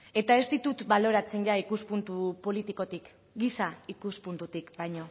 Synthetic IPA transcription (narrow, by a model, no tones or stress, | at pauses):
e̞t̪ae̞zt̪it̪ut̪balo̞ɾat͡seɲʎaikuspunt̪upo̞lit̪iko̞t̪ik | ɡisaikuspunt̪ut̪ikbajɲo̞